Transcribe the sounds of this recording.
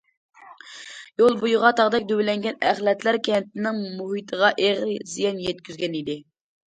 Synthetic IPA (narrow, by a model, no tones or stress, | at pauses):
jolˠbujʊʁɑt̪ʰɑʁd̪ɛkʲd̪øwlɛŋɡʲɛnæχlɛt̪ʰlæɾkʲeɛnt̪ɪnɪŋmuɦit̪ʰəʁɑʔeʁɾzijɑnjɛt̪̚kʲyzɡʲɛnid̪ɪ